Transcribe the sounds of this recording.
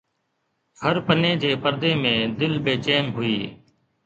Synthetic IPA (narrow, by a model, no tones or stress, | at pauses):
həɾpənẽːd͡ʒeːpəɾd̪eːmẽːd̪ɪlɓeːt͡ʃeːmɦʊiː